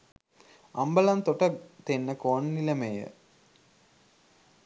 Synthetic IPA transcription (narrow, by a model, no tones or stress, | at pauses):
ambəlant̪oʈət̪enːəkoːnːiləmejə̰